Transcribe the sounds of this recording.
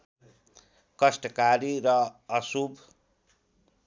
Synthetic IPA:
kʌsʈʌkaɾiɾʌʌsubʱ

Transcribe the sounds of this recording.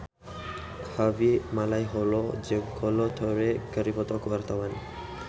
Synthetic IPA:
kʰabimalajɦɔlɔd͡ʒeɡʰɔlɔt̪ʰɔɾekəɾipʰɔt̪ɔkwaɾt̪awani

